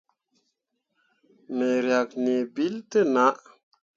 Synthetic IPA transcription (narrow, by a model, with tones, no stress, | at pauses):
nə˨ɾja˨k̚ne˨bi˦ltə˦na˨˦ʔ